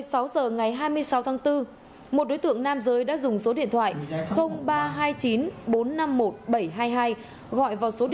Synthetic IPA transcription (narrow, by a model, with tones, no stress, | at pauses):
əjsa˨˦wzəː˨˩ŋa˨˩jɦaː˧jmɨ˧əjsa˨˦wt̪ʰaː˨˦ŋt̪ɨ˧ | mo˨˩t̚ɗo˨˦jt̪ɨ̰˧˨əŋnaː˧mzəː˨˦jɗa̰ː˧˥zʊ˨˩ŋ͡mso˨˦ɗḭ˧ənt̪ʰwa̰ː˧˨jxə˧wŋ͡mɓaː˧ɦaː˧jt͡ɕi˨˦nɓo˨˦nːa˧mːo˨˩t̚ɓə˧˩jɦaː˧jɦaː˧j | ɣɔ̰˧˨jvaː˨˩wso˨˦i˧